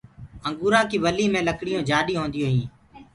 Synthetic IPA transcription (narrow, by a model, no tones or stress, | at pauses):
əŋɡuːɾãːkiːʋəliːmẽːləkɽɪjõːd͡ʒaːɗiːɦõːnd̪jõːɦĩː